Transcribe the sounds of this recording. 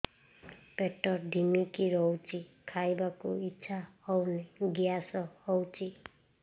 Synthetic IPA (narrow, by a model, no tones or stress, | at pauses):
peʈɔɾɖʱimikiɾɔwt͡ʃʰikʰajbakuitːsʰahɔwneɡijasɔhɔwt͡ʃʰi